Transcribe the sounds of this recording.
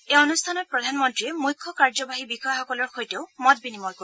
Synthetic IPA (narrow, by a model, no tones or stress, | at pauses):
eɔnust̪ʰanɔt̚pɹɔdʱanmɔntɹiɛmujkʰːɔkaɹzɔbaɦibixɔjaxɔkɔlɔɹxojteʊmɔt̚binimɔjko